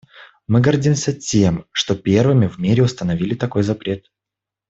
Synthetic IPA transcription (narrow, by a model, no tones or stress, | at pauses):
mɨɡɐrdʲimsʲətʲe̞mʂt̪o̞pʲe̞rvɨmʲɪvmʲiɾʲɪʊst̪ənɐvʲilʲɪt̪ɐko̞jzɐpɾʲe̞t̪